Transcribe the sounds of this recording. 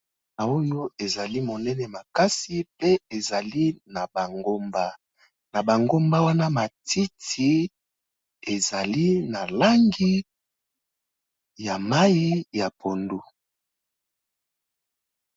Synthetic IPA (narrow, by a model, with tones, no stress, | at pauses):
na˨o˦jo˦e˨za˨li˦mo˨nɛ˦nɛ˨ma˨ka˦si˦pe˦e˨za˨li˦na˨ba˨ɡo˦mba˦ | na˨ba˨ŋɡo˦mba˦wa˦na˦ma˨ti˦tʰi˨ | e˨za˨li˦na˨la˦ŋɡi˦ | ja˨ma˦ji˦ja˨pʰo˨ndu˦